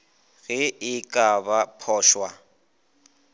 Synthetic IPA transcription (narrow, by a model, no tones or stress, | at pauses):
ɣɪɪkʼabapʰɔːʃwa